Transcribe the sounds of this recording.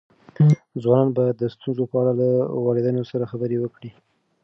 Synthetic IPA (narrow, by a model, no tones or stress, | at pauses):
d͡zwɑnɑnbɑjad̪ːəst̪unzopəaɽalawɑɽed̪ənosaɾaxabəɾewəkɽi